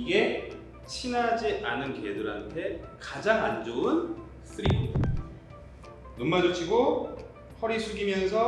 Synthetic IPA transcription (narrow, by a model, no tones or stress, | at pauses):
iɡe̞ | t͡ɕʰinad͡ʑiʔanɯnkedɯɾɦantʰe̞kad͡ʑaŋand͡ʑoɯn | s͈ɯɾiɡo | nonmad͡ʑot͡ɕʰiɡo | hʌɾisʰuɡimjʌnsʰʌ